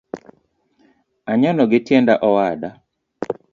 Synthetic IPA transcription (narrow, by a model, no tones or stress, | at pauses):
aɲɔnɔɡɪtjendaʔɔwada